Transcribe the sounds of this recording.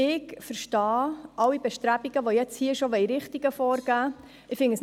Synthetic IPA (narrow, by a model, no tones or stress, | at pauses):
ɪkfəɾʃtɑːʔɑwib̥ɛʃtɾæbiɡ̥əʋojɛt͡shiːʃoʋɛiɾɪχtiɡ̥əfɔːɾɡ̥æː | ɪfɪŋəs